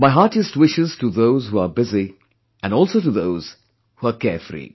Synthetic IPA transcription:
maɪɦaʈɪstwɪʃɪz̥tuðoʊzhuabɪzi | ʔæ̃nɔːlˠsoʊtuðoʊz̥ | huakɛɹfɾḭ

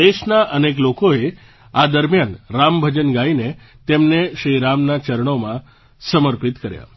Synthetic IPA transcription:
eʃnaʔənek̬lokoe | ad̪əɾmjanɾambʱəd͡ʒənɡaine | t̪emneʃɾiɾamnat͡ʃəɾəɳ̃omã | səməɾpit̪kəɾja̰

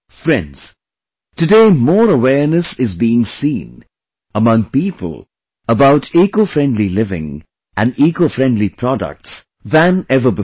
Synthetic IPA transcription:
fɾɛ̃ndz̥ | tɨdeɪmɔːɾəwɛnɨsɪzbiɪ̃ŋsĩn | əmʌ̃ŋpipə̰l̩ˠ | əbaʊtikofɾɛ̃ndlilɪvɪ̰̃ŋ | ʔæ̃nikofɹɛ̃ndlipʰɾ̥ɔdə̰k̚ts | ðæ̃nɛvəbɪ

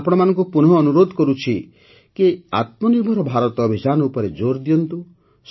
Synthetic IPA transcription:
pɔɽ̃ɔmanɔ̃ŋk̬upunɔːnuɾod̪ʱkɔɾut͡ʃʰi | kea̰t̪̚mɔniɾm̤ʱɔɾɔbʱaɾɔt̪ɔbʱid͡ʒanɔupɔɾed͡ʒoɾd̪ijɔnt̪u | s

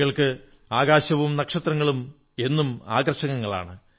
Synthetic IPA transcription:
ɣɐɭkɨ | aːɣaːɕɐʋumnɐkʂɐt̪rɐŋːɐɭum | e̞nːuma̰ːɡɐrɕɐŋɐŋːɐɭa̰ːɳɨ

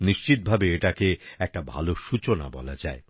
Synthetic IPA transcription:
niʃt͡ɕit̪̚bʱabeeʈakeɛk̚ʈabʱa̰loʃut͡ɕona̰bɔ̰la̰d͡ʑae

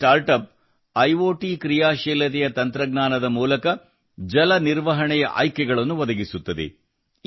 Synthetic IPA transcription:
ʈaːɾʈɐp̚ | ɐjʋoːʈiːkɾijaːʃɛːlɐt̪ɛjɐt̪ɐnt̪ɾɐɡnaːnɐd̪ɐmuːlɐkɐ | d͡ʒɐlɐniɾʋɐɦɐɳɛjɐ̰ʔa̰ːjkɛɡɐɭɐnːuʋɐd̪ɐɡisut̪ːɐd̪ḛ

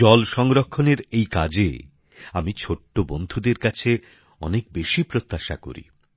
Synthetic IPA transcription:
ɔlʃɔŋɾokʰːoneɾejka̰d͡ʑḛ | amit͡ɕʰoʈːobond̪ʱud̪eɾkat͡ɕʰe | ɔnek̚beʃipɾot̪ːaʃa̰ko̰ɾḭ

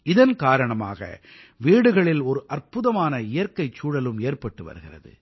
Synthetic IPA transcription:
ɪðɐnkaːɾɐɳɐma̰ːɣɐ̰ | ʋiːɽɯɣɐɭɪlɔɾɯʔɐrpʊðɐmaːnɐɪjɐɾkɐɪt͡ʃːuːɽɐlɯmeːrpɐʈːɯʋɐ̰ɾɯɣɪrɐ̰ðɯ̰

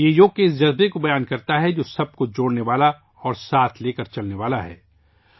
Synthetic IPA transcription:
jejoːkeɪsd͡ʒɐzbekobɐjaːnkɐɾt̪aɦɛd͡ʒoːsɐb̚kod͡ʒoːɽneʋaːla | ɔːɾsaːt̪ʰleːkɐɾt͡ʃɐlneʋaːlaɦɛ̰ː

